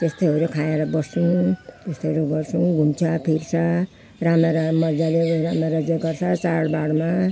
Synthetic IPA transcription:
t̪est̪oɦʌɾukʰaeɾʌbʌsũt̪est̪oɦʌɾuɡʌrt͡sʰũɡʱunt͡sʰʌpʰirt͡sʰʌ | rameɾʌmʌrd͡zaleɾameɾʌd͡zeɡʌrt͡sʰʌt͡saɽbaɽma

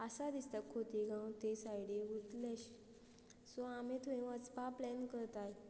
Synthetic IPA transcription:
asad̪ist̪akʰːot̪iɡʱãw̃t̪esajɽiut̪leɕ | sɔamẽt̪ʰuĩʋət͡spaplɛnkəɾt̪aj

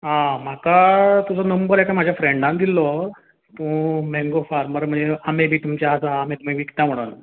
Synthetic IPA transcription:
ɦãm̤akat̪ud͡zɔnəmbəɾɛkam̤ad͡ʑʱjafɾeɳɖãnd̪ilːɔ | t̪ũmẽŋɡofaɾməɾm̤əɳd͡zeamebʱiːt̪umt͡ɕjaəsaːmit̪um̤ibʱiːki̥t̪ãm̤əɽun

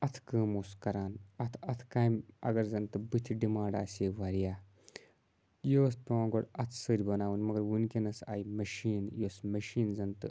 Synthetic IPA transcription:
ɐt̪ʰkəːmoːskɐɾaːnɐt̪ʰɐt̪ʰkaːmɐ̰ɡɐɾzɐnt̪ɨbɨt̪ʰiɖimaːɖa̰ːsʲeːʋaːɾijaː | joːspʲoãːɡoɽɐt̪ʰsəɾʲbɐnaːʋɨnʲmɐɡɐɾwunkʲenɐsa̰ːjimɐʃiːnjoːsmɐʃiːnzɐnt̪ɨ̰

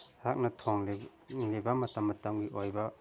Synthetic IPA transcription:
hak̚nɐtʰoŋli | libɐmɐtɐmːɐtɐmɡiʔojbɐ

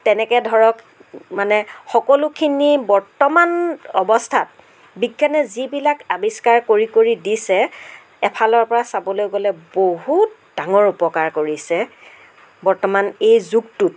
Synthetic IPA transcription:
tɛnɛkɛdʱɔɹɔk | manɛxɔkɔlukʰinibɔɹtɔmanɔbɔstʰat̚ | biɡʱːanɛzibilakabiskaɹkoɹikoɹidisɛ | ɛpʰalɔɹpɔɹasabɔlojɡɔlɛboɦut̚ | d̥aŋɔɹupɔkaɹkoɹisɛ | bɔɹtɔmanejzuktut̚

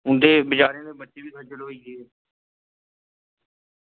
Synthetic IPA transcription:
ʊnd̪eːbɪt͡ʃaːɾjãːd̪eːbəʈːʃeːbiːsəɾt͡ʃəloːiːɡeː

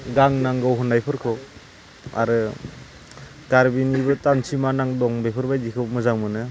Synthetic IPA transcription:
ɡaŋnaŋɡɔwɦɔnajpʰɯɾkʰɯw | a̰ɾɯ | kaɾbinibɯtansʰimanaŋdɔŋbajpʰɯɾbajdikʰɯwmɯzaŋmɯnɯ

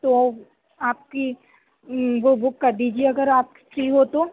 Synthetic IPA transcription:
t̪o | aːp̚ki | ʋobʊkːɐɾd̪iːd͡ʒieɐɡəɾaːp̚ki̥fɾiːɦoːt̪oː

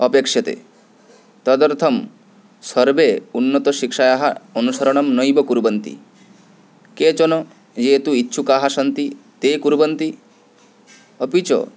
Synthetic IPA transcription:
ɔpekʃjɔt̪ḛ | t̪ɔd̪ɔɾt̪ʰɔm | sɔɾbeunːɔt̪ɔʃikʃajaɦaonusɔɾɔɽ̃ɔmnɔjbɔkuɾbɔnt̪ḭ | ket͡ʃɔnɔ | d͡ʒet̪uitːʃʰukaɦasɔnt̪it̪ekuɾbɔnt̪i | ɔpit͡ʃɔ̰

